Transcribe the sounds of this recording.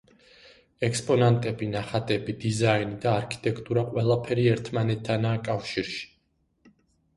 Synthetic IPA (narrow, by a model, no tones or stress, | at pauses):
ɛkspʼɔnant̪ʼɛbinaχat̪ʼɛbid̪izainid̪aːɾkʰi̥t̪ʼɛkʰt̪ʼuɾaqʼwɛlˠapʰɛɾiɛɾt̪ʰmanɛt̪ʰːanaːkʼafʃiɾʃi̥